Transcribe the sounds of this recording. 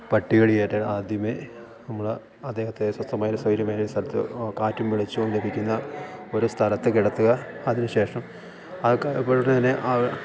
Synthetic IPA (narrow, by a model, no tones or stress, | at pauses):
pɐʈːiɣɐɭijeːʈːeaːd̪ʱjɐme | nɐmːuɭ | ɐd̪ːeːhɐt̪ːesɐst̪ɐmaːjoɾusɐjɾɐmaːjioust̪ʰɐlɐt̪ːɨ̰kaːtːumʋiɭit͡ɕːuonle̞bʱikʲːunːɐo̞ɾust̪ʰɐlɐt̪ːɨkiɽɐt̪ːuɣɐːðinɨɕe̞ːʂɐm | ɐipːoːɻʈːet̪ɐnːe̞ʔa